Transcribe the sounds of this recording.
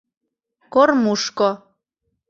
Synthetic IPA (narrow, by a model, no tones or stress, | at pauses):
kormuʃko